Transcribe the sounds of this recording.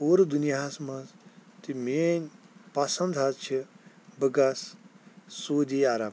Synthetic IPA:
oːɾd̪unjasmɐst̪imenʲpasɐ̃nd̪ʱatt͡ʃʰi | bɐɡas | soːd̪iaɾab

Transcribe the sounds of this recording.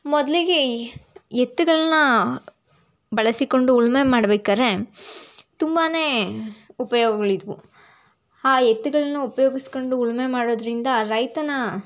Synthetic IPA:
mɔd̪ɐliɡe̞ | et̪ːuɡɐɭɐnːɐ | bɐɭɐsiko̞ɳɖuːɭmemaːɽɐbeːkaːɾe̞ | t̪umbaːne̞ːupɐjoːɡɐɡɐɭid̪ʋu | aːjet̪ːuɡɐɭɐnːuupɐjoːɡisko̞ɳɖuːɭme̞maːɽoːd̪ɐɾind̪ɐɾɐjt̪ɐnɐ

